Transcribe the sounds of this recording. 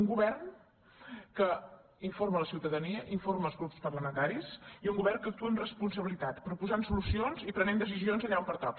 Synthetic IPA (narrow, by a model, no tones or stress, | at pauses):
uŋɡuβɛrn | kə | iɱformələsiwt̪əðəniəʔiɱforməlˠzɣɾupspərləmənt̪aɾisiuŋɡuβɛrnkək̚t̪uənrəspunsəβilit̪at̪pɾupuzansulusionzipɾənend̪əs̬izionzəʎaumpəɾt̪ɔk